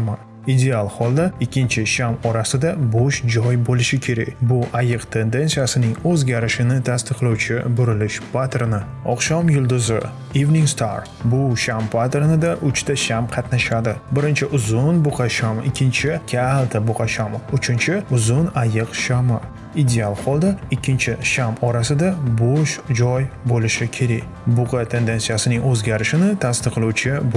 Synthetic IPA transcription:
ama | id̪e̞alˠhɒlˠd̪aɪkʲʰːɪnt͡ʃʰɪʃamɒɾasɪd̪aboʃd͡ʒɒjbolɪʃɪkʲʰe̞ɾa̰kʲbʊʔajɨqt̪ʰe̞nd̪e̞nsijasɪnɪŋɵzɡʲaɾɪʃɪnɪt̪ʰast̪ɨqlˠawt͡ʃʰɪbʊɾɪlɪʃpat̪ʰeɾnɪ | ɒqʃɒmjʊlˠd̪ʊzɪ | ivniŋst̪ʰaɾ | bʊʃampʰat̪e̞ɾnɪd̪aʔʊt͡ʃt̪aʃamqʰɑt̪naʃad̪ɪbɪɾɪnt͡ʃʰɪʔʊzʊnbʊqʰɑʃamɪkʲːɪnt͡ʃʰɪkʲʰalˠt̪ʰabʊqɑʃamʊt͡ʃʰɪnt͡ʃʰɪʊzʊnajɨqʃama | id̪e̞alˠhɒlˠd̪aɪkʲʰːɪnt͡ʃʰɪʃamɒɾasɪd̪aboʃd͡ʒɒjbolɪʃɪkʲʰe̞ɾaj | bʊqɑt̪ʰe̞nd̪e̞nsijasɪnɪŋɵzɡʲaɾɪʃɪnɪt̪ʰast̪ɨqʰːɨluwt͡ʃʰɪb

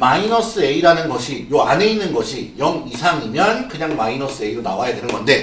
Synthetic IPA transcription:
mainʌs͈ɯe̞iɾanɯnɡʌɕʰijoa̰ne̞inːɯnɡʌɕʰijʌŋisʰaŋimjʌnkɯɲaŋmainʌs͈ɯe̞iɾonawajadwenɯɡʌnde̞

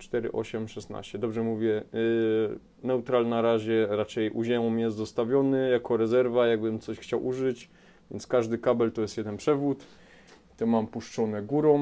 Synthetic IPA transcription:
t͡ʂt̪ɛɾɘ̰ʔɔ̰ɕɛmʂɛsna̰ɕt͡ɕɛd̪ɔbʐɛmuvʲjɛ | nɛut̪ɾalnaɾaʑɛɾat͡ʂɛjʔuʑɛmɔmjɛst̪zɔst̪avʲjɔnɘjakɔɾɛzɛɾvajaɡbɘmt̪sɔɕxt͡ɕawʔuʐɘt͡ɕ | vʲjɛnt̪skaʐd̪ɘkabɛlt̪ɔjɛst̪jɛd̪ɛnpʂɛvut̪ | t̪ɔmampuʂt͡ʂɔnɛɡuɾɔ

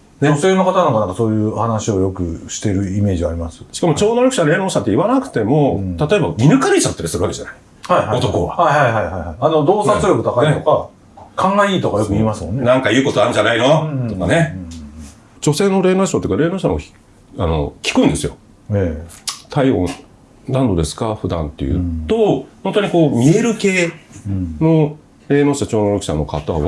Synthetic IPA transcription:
neose̞ːno̞kat̪anokanãŋkaso̞ːjɯ̟ːhanaɕio̞jo̞kɯ̟ɕi̥t̪e̞ɾɯ̟ime̞ːʑiaɾʲimasɨ̥ɕi̥kamot͡ɕo̞ːnoɾakɯ̟ɕaɾe̞ːnoːɕãnt̪eiβanakɯ̥t̪e̞mo̞t̪at̪o̞e̞bamʲinɯ̟kaɾʲit͡ɕat̪ːaɾasɨɾɯβake̞d͡ʑanai̥ | haiaot̪o̞koβahahaihaihaihaiano̞d̪oːsãnsoɾʲokɯ̟t̪akaiet̪oka | kʰãŋɡaiːt̪o̞kajo̞kɯ̟iːmasɨmõ̞nːnãŋkajɯ̟ːko̞t̪oaɾɯ̟̃ɲd͡ʑanainot̪okane | d͡ʑo̞se̞ːno̞ɾe̞ːnoɕat̪eikaɾe̞ːnoːɕa̰no̰i̥ | ano̞̰kʲi̥kɯ̟ĩnd̪e̞sɨjo̞̰ | et̪ʰaiõ̞̰ | nãnd̪o̞d̪e̞sɨ̥kaɸɯ̟d̪ã̰nt̪ːe̞̰jɯ̰t̪o̞hõnt̪oɲ̟iko̞ːmʲie̞ɾɯ̟ke̞ː | no̞ | ɾe̞ːnoːɕat͡ɕo̞ːnoɾoki̥ɕa̰nːo̞kat̪aβa̰

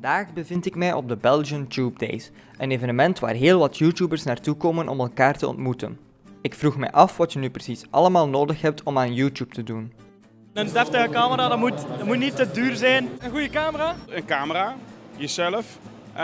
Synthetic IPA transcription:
vɑndaːxbəvɪntɪkmɛjʔɔ̰b̚dəbɛlˠʒəntjuːb̚dḛjs | əneːvənəmɛntʋa̰ːrɦeːlˠʋɑtʰjuːtjuːbərsnaːrtukoːmənʔɔ̰mɛlˠkaːrtəɔ̰ntmutə̰n | ɪkfruxmɛ̰jʔɑfʋɑtjənyprəsisʔɑləmaːlˠnoːdəxɦɛp̚tʰɔmaːnjuːtuːp̚tədun | əndɛftəɣəkaːməɾaːdɑmutdmutnitədyːrzɛjnənɣujəkaːməraːənkaːməɾaːjəzɛləf

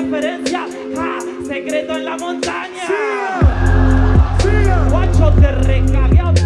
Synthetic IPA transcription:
feɾẽnsja | a | seɣɾet̪oẽnlamõnt̪aɲa | wat͡ʃot̪erekaβja

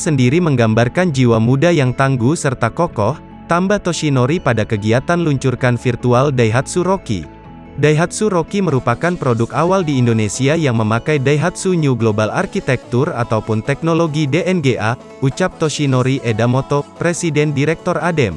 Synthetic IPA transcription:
səndiɾiməŋɡambarkand͡ʒiwamudajaŋt̪aŋɡusərt̪akokɔh | t̪ambaht̪oʃinoɾipadakəɡiat̪anluɲt͡ʃurkanfirt̪ualdaiɦat̪̚suɾokḭ | dajɦat̪̚suɾokiməɾupakanpɾodukawaldiːndonesiajaŋməmakajdaiɦat̪̚suɲuɡlobalarkit̪ɛk̚t̪ura̰t̪awpʊnt̪ɛk̚noloɡideʔɛnɡeʔa | ut͡ʃap̚t̪oʃinoɾiʔedamot̪opɾesidɛndiɾɛk̚t̪ɔradɛm

